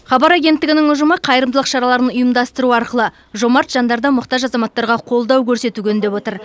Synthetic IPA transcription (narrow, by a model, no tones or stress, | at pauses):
χɑbɑɾaɡʲe̞nt̪ːɪɡʲɪnɪŋʊʒʊməqʰɑjəɾəmd̪lˠəqʃɑɾɑlˠɑɾənʊjəmd̪ɑst̪əɾuɑɾqəlˠə | ʒo̞mɑɾt̪ʒ̥ɑnd̪ɑɾd̪ɑmʊqt̪ɑʒɑzɑmɑt̪ːɑɾʁɑqʰo̞lˠd̪ɑwkʲʰɵɾse̞t̪uɡʲend̪e̞bwo̞t̪əɾ